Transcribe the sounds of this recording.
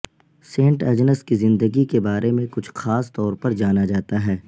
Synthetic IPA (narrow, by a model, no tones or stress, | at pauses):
sẽːɳʈɐd͡ʒnəskizɪ̃nd̪əɡikebaːɾʔemẽkʊt͡ʃʰxaːst̪ɔːɾpɐɾd͡ʒaːnad͡ʒaːt̪aɦɛː